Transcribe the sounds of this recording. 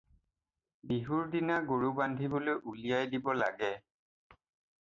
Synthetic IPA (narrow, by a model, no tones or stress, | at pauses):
biɦuɹdinaɡoɹubandʱibolojʔulijajdibɔla̰ɡɛ